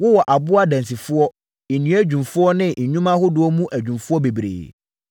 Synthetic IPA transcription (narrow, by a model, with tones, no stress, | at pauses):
wʊ˦wɔ˨ʔa˨bʊ˦a˦dæ̃˨nsi˨fʊ˦ɔ˦ | e˨nĩ˨˦æ˦d͡ʑᶣũ˨mfʊ˦ɔ˦nɪ̃˦˨ɲũ˦mã˦hʊ˦dʊ˦ɔ˦mũ˦ʔæ˨d͡ʑᶣũ˨mfʊ˦ɔ˦be˨bɾḛː˨